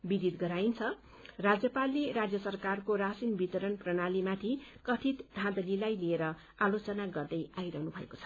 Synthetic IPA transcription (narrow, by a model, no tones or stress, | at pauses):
bid̪id̪ɡʌɾaint͡sʰʌ | rad͡zjʌpalːeɾad͡zjʌsʌrkarkoɾasinbit̪ʌɾʌnprʌñalimat̪ʰikʌʈʰit̪d̪ʱãd̪ʌlilajlieɾʌ | alot͡sʌnaɡʌrd̪ʌjajɾʌɦnubʱʌeko̥t͡sʰʌ̥